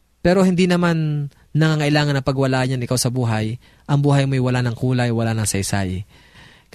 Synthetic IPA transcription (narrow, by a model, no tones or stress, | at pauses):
pɛːɾo̞hɪnd̪inɐmanː | ɐŋaŋɐʔɪlaːŋɐnːɐpɐɡwɐlaːɲanɪkawsɐbuːɦɐj | ʔɐŋbuːɦɐjmojwɐlanɐŋkuːlɐjwɐlanɐŋsɐjsa̰j